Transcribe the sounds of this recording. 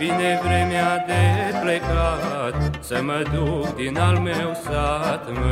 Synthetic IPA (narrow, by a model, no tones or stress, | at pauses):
vinevɾemead̪eplekat̪̚səməd̪ukd̪inalmewsat̪mə